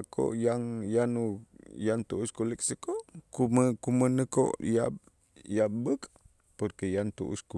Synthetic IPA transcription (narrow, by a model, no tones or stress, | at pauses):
kʰo̰ʔjaŋjanujant̪uʔuskulik̚səkoʔkuməkumənəko̰ʔjap̚ | jabək | pərkəjant̪ṵʔṵsku